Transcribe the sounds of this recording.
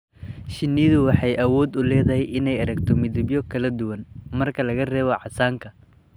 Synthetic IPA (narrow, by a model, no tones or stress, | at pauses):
ʃɪnːɪðʊwɑħɑjʔɐwɔːd̪ʊlɛːðɐɦɛjʔɪnɛjɐɾɐɡt̪ʰɔmɪðɪbjɔkʰɐlɐd̪ʊwɐnmɐrkʰɐlɐɣɐrɛːβɔʕɑsaːŋkʰɐ